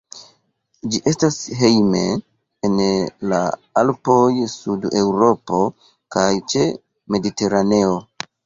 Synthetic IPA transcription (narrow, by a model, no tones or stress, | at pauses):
d͡ʒiʔe̞stasɦe̞jmeː | nla̰alpo̞jsude̞wɾo̞po̞ | kajt͡ʃe̞ | me̞dite̞ɾane̞o